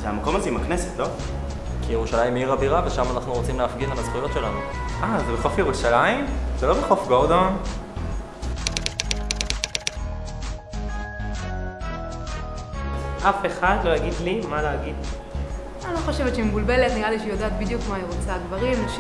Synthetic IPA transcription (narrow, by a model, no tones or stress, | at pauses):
zeamako̞mazeimakneset̪lo | kijeʁuʃalajimiʁabiʁaveʃamanaχnuʁo̞t͡simleafɡilemazχujo̞tʃe̞lanu | ʔazebeχofjeʁuʃalaimzelo̞beχofɡoda | ʔafe̞χad̪lo̞jaɡid̪limaleaɡid̪ | aloχo̞ʃe̞vet̪t͡ʃʃemebulbelet̪niʁaliʃjod̪aːt̪̚bid̪jukmaiʁot͡saɡvaʁimaʃ